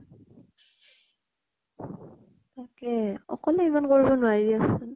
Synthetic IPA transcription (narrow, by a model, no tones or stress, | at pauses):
t̪akɛɔ̰kɔlɛimankoɹibɔnʊajdiasɛn